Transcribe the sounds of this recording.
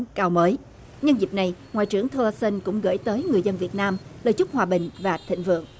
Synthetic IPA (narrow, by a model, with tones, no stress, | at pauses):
kaː˧wməː˨˦j | ɲə˧nzi˨˩p̚na˨˩jŋwa̰ː˧˨jt͡ɕɨ˧˩əŋt̪ʰə˧lsə˧nkʊ̰˧˥ŋ͡mɣə̰˧˩jt̪əː˨˦jŋɨ˨˩əjzə˧nvi˨˩ət̚naː˧mlə̰ː˧˩jt͡ɕʊ˦˥k͡p̚hwaː˨˩ɓï˨˩ŋ̟vaː˨˩t̪ʰḭ˧˨ŋ̟vɨ̰˧˨əŋ